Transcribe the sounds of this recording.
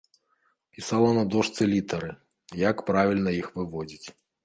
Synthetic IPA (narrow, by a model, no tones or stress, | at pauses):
pʲisalˠɐnɐd̪ɔʂt̪sɨlʲit̪ɐɾɨ | jakpɾavʲilʲnɐjixvɨvɔd͡zʲit͡sʲ